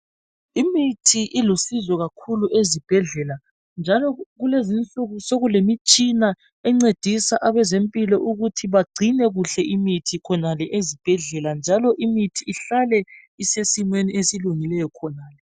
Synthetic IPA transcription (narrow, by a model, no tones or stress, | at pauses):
imitʰiʔilusizɔɣakʰuluʔezib̥ʱɛɮɛla | nd͡ʒʱalɔɣulezint͡ɬuɣusoɣulemit͡ʃʼina | ɛŋ͡ǀed̥ʱisaʔaβɛzempʼilɔʔuɣutʰiβaɡ͡ǀʱinɛɣuɬɛʔimitʰikʰɔnalɛʔezib̥ʱɛɮɛland͡ʒʱalɔʔimitʰiːɬalɛ | isesimweniesiluŋilɛjɔkʰɔnaːlɛ